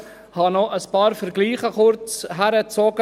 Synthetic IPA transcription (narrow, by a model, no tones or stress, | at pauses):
hɑnɔʔəspɑːɾfəɾɡliːχəχʊɾt͡sɦæɾət͡soɡə